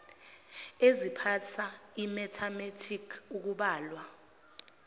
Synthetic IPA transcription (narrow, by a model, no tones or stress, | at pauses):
ezipʰatʰaimɛtʰametʰikʰuk̬uɓaːlwa